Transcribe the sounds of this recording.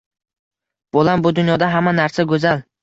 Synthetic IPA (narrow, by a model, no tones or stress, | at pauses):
b̥olambʊd̪ʊnjɒd̪aɦamːanaɾsaɡɵzal